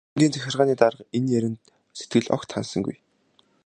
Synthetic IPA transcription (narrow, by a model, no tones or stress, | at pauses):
ɡ̪ʲiːnt͡sæxʲɪ̆rʁaːniːt̪aɾəqenjæɾʲɪ̆nt̪ | set̪ɡɘ̆ɮɔ̰kt̪ʰːa̰nsə̆ŋɡṵj